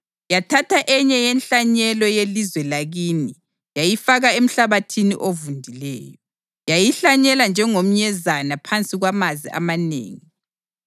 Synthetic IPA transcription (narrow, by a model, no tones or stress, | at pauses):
jatʰatʰaʔɛɲɛjɛnɬaɲɛlɔjelizwɛlaɣiːni | jajifaɣaem̩ɬaβatʰinḭʔovundʱilɛ̰ːjɔ | jajiɬaɲɛland͡ʒʱɛŋom̩ɲɛzanapʰant͡sʼiɣwamaziʔa̰manḛːŋi